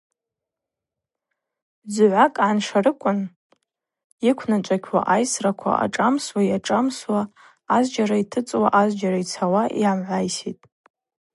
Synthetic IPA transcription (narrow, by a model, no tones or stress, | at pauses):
d͡zʕʷakʼʕanʂarɨkʷʼʊn | ikʷʰnat͡ʃʷʼakʲʰwa̰ʔajsrakʷʰa̰ʔa̰ʈ͡ʂʼamswajaʈ͡ʂʼamswaː | zd͡ʒaɾaitʰɨt͡sʼwaʔazd͡ʒaɾait͡sʰawaʔiamʕʷajsitʼ